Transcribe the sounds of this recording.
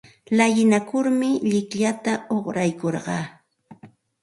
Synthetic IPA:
lajɪnakʊɾmɪʎɪkʎat̪aoχɾajkoɾɢɑː

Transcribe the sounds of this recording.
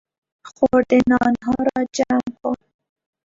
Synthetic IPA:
xoɾd̪enɑnɦɑɾɑd͡ʒamkʰon

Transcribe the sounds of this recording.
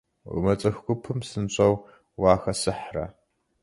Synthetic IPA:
ʁmɐt͡sʼɐxɡʷʼʊpʰɨmsɨnɕʷʼɐw | waːxɐsɨħrɐ̰

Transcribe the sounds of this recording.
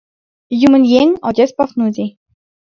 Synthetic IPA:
jumɘ̆nʲjenʲɔd̪ʲespɑfnud̪ʲi

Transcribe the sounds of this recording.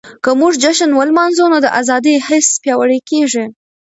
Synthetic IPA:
kəmuʐd͡ʒaʃənwəlmɑnzonad̪əʔazɑd̪ihɪspjɑwəɽekeʐi

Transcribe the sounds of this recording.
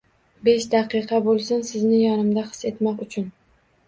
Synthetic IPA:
be̞ʃd̪aqɨqʰɑbolˠsʊnsɪznɪjɒnɪmd̪aqɨ̥se̞t̪mɒqʊt͡ʃʰʊn

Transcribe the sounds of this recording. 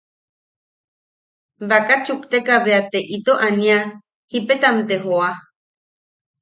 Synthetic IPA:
βakat͡ʃukt̪ekaβeat̪eʔit̪oʔanĩa | hipet̪amt̪eɦoa

